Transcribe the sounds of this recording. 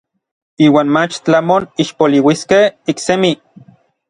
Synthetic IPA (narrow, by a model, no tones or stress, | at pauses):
iːwaːnmat͡ʃt͡ɬamoniʃpoliwiskehiksemi